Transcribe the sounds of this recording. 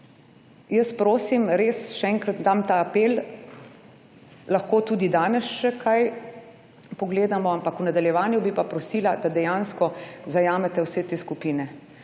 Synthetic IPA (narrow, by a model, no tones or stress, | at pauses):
jəspɾoːsimɾeːsʃɛɛŋkɾat̪d̪amt̪aːpeːl | lɐxkoːt̪uːd̪id̪aːnɛsʃɛkʰaj | pɔɡleːd̪amɔampakunad̪aljɛʋaːnjubipapɾɔsiːlad̪ad̪ɛjanskɔzajaːmɛt̪ɛwseːt̪eːskupiːnɛ